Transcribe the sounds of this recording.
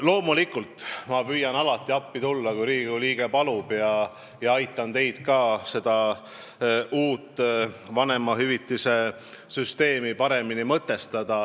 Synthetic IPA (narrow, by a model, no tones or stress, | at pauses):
lo̞ːmulikːˑult̪ˑmɑpyjɑnɑlɑt̪ːˑiɑpːit̪ulːɑkujɾiːɡuliːɡ̥epɑlub̥jɑ | jɑɑjt̪ːˑɑnt̪e̞jd̪̥kɑːse̞d̪̥ɑ | ʔuːt̪ˑːvɑne̞mɑɦyvit̪ːˑise̞ | syst̪e̞ːmipɑɾe̞minimɤt̪ːˑe̞st̪ɑd̪̥ɑ